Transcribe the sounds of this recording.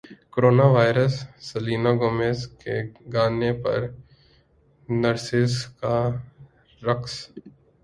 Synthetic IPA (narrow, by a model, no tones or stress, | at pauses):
koɾoːnaʋaːɪɾəsːɐliːnaɡoːmeːskḛɡaːnepɐ̰ɾ | nəɾsɪska | ɾɐks